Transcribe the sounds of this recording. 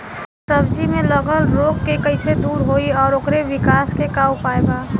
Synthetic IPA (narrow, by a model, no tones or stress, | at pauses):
səbd͡ʒimẽləɡəlɾoːkkekəɪsed̪uːɾɦoːiɔːɾokɾeʋɪkaːskekaːupaːeɡaː